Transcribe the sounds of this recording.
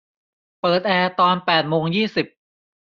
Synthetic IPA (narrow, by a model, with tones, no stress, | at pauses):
pɤː˨˩t̪̚ʔɛː˧t̪ɔː˧npɛː˨˩t̪̚moː˧ŋjiː˥˩si˨˩p̚